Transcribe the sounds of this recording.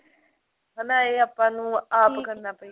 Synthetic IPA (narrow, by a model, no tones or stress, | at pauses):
ɦənãːeːaːpːãːnũːaːpkəɾnaːpəi